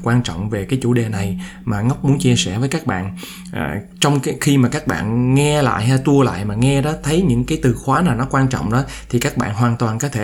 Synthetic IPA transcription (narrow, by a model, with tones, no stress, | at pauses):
kwaː˧nt͡ɕɔ̰˧˨wŋ͡mve˨˩kaː˨˦jt͡ɕu˧˩ɗe˨˩na˨˩j | maː˨˩ŋa˦˥wk͡p̚mu˨˦ənt͡ɕi˧əsɛ̰˧˩vəː˨˦jkaː˦˥k̚ɓa̰ː˧˨n | ʔ | t͡ɕɔ˧wŋ͡mxi˧maː˨˩kaː˦˥k̚ɓa̰ː˧˨nŋɛ˧la̰ː˧˨jɦa˧t̪u˧əla̰ː˧˨jmaː˨˩ŋɛ˧ɗɔ˨˦t̪ʰə˨˦jɲɨ̰˧˥ŋkaː˨˦jt̪ɨ˨˩xwaː˨˦naː˨˩wnɔ˨˦kwaː˧nt͡ɕɔ̰˧˨wŋ͡mɗɔ˨˦ | t̪ʰi˨˩kaː˦˥k̚ɓa̰ː˧˨nɦwaː˨˩nt̪waː˨˩nkɔ˨˦t̪ʰe˧˩